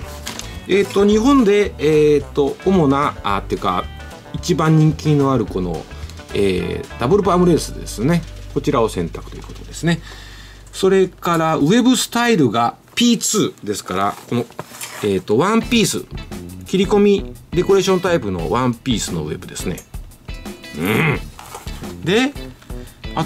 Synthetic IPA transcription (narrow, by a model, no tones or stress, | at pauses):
e̞ːt̪ːo̞ɲ̟iɦõ̞nd̪e̞ːt̪ːo̞omo̞naat̪oejɯ̟ka̰ | it͡ɕibãɲ̟ĩŋkʲĩnːo̞aɾɯ̟ko̞no̞̰ | ḛːd̪̥abɯ̟ɾɯ̟paamɯ̟ɾe̞ːsɨd̪e̞̰sɨne̞ko̞t͡ɕiɾao̞sẽ̞nt̪akɯ̥t̪o̞jiɯːko̞t̪o̞d̪e̞sɨne̞ | so̞ɾe̞kaɾaɯ̟e̞bɯ̟sɨ̥t̪aiɾɯ̟ɡa | pʲiːt͡sɨːd̪e̞sɨ̥kaɾa̰ko̞no̞e̞ːt̪ːo̞βãmpʲiːsɨ̰kʲiɾʲiko̞mʲid̪e̞ko̞ɾe̞ːɕõ̞nt̪aipɯ̟no̞̰βãmpʲiːsɨno̞̰βe̞bɯ̟d̪e̞sɨne̞̰ | ɯ̃ | d̪e̞ | a